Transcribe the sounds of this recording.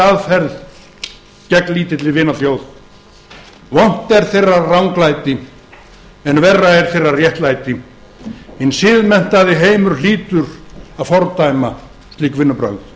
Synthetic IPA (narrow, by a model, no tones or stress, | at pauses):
aðfɛɾð | cɛkliːt̪ɪt̪lɪɾvɪːnaθjoːwð | vɔn̥t̪ɛɾ̥θejrːarawŋklajt̪ɪ | ɛnvɛrːaɛɾ̥θejrːarjɛht̪lajt̪ɪ | hɪnsɪðmɛn̥t̪aðɪɦeːjmʏɾ̥liːt̪ʏɾaðfɔɾt̪ajma | st̪liːkvɪnːʏpɾœ̰wt̪